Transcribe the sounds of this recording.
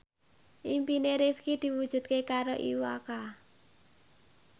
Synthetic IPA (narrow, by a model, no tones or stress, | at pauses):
ʔimpineɾifkid̪̥i̤wud̥ʒ̥ṳt̪̚kekaɾoʔḭwaka